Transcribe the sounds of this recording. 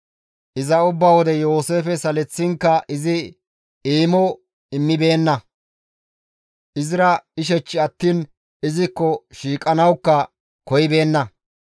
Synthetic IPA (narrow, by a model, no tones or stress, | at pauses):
ʔɪzɐʊbːɐwɔd̪ɛjo̞ːse̞ːfɛsɐlɛt͡sːɪŋkːɐʔɪzɪ | iːmɔ | ɪmːɪbe̞ːnːɐ | ʔɪzɪɾɐɪʃ̬ɛt͡ʃːɪɐt̪ːiːn | ɪzɪkːɔʃiːkʼɐnɐwkːɐ | kɔjɪbe̞ːnːɐ